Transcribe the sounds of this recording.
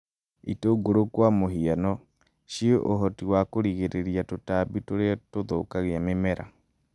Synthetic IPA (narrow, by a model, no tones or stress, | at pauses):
itoɡoɾokwamoɦianɔ | ɕieʔoɦɔtiwakoɾiɣeɾeɾiatotaːbitoɾetoðokaɣeamemɛɾʔa̰